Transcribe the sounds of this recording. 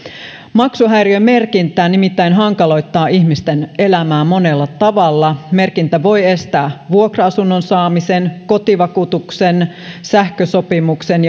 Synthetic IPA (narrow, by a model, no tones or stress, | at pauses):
mɑksuɦæjɾiøme̞rkint̪ˑæːnimit̪ːæjnɦɑŋkɑlo̞jt̪ːɑːʔiçmist̪ene̞læmæːmo̞ne̞lːɑt̪ɑʋɑlːɑme̞rkint̪æʋo̞je̞st̪æːʋuokroɑsunːo̞nsɑːmise̞nko̞t̪iʋɑkut̪uksen | sæhkøso̞pimuksen